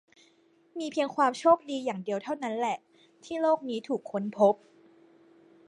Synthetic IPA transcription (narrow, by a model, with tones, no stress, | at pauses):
miː˧pʰi˧əŋkʰwaː˧mt͡ɕʰoː˥˩k̚diː˧jaː˨˩ŋdi˧əwt̪ʰa˥˩wna˦˥nlɛ˨˩ʔ | t̪ʰiː˥˩loː˥˩k̚niː˦˥t̪ʰuː˨˩kʰːo˧˦˥npʰo˦˥p̚